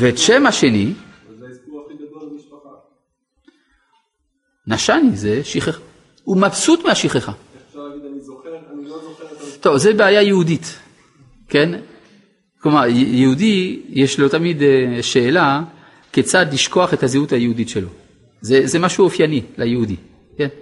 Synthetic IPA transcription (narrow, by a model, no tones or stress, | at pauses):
veːtʃemaʃe̞ni | naʃanizeʃiχeχa | umabsutmeaʃiχeχa | t̪o̞vzebeajajehudit̪ | ken | klomaʁjjehudijeʃlo̞tamid̪ʃe̞ːla | ket͡sad̪liʃko̞aχe̞thaziuthajehuditʃelo̞ | zezemaʃuofjanilʔajehudi | ken